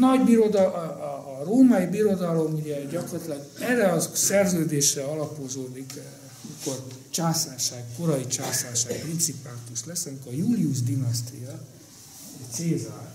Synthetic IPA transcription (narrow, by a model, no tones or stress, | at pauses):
nɒɟbiɾo̞d̪ɒː | roːmɒjibiɾo̞d̪ɒlo̞muɟɛɟɒkorɑt̪lɛɡɛrːɛɒsɛrzøːd̪eːʃrɛɒlɒpo̞zoːd̪ik | miko̞rt͡ʃaːsaːʃaːɡko̞ɾɒit͡ʃaːsaːʃaːɡprint̪sipaːt̪uʃlɛsɒmikojuːliuʒd̪inɒst̪ḭjɒ | t̪seːzaː